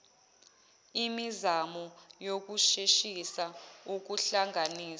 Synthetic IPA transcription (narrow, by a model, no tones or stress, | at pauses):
imizamɔjok̬uʃeʃisauk̬uɬaŋaniːs